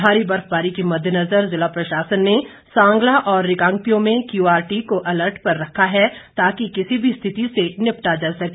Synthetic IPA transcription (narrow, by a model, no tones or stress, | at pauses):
aːɾibɐɾfbaːɾikimɐd̪ʱjənɐzəɾzɪlapɾɐʃaːsənːe | sãːŋɡlaʔɔːɾːɪkãːŋkt̪ijõmẽkjuːaːɾʈikoʔɐləɾʈʰpɐɾːɐkʰːaɦɛt̪aːkikɪsibʱist̪ʰɪt̪isenɪpʈad͡ʒaːsɐkː